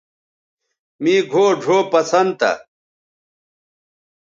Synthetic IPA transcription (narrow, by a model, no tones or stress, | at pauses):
miːɡʱoːɖʱoːpɐsɐnt̪ɐ̰